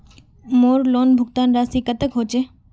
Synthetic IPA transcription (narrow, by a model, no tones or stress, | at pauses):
moːɾloːnbʱʊɡt̪aːnɾaːsikət̪əkɦoːt͡ʃeː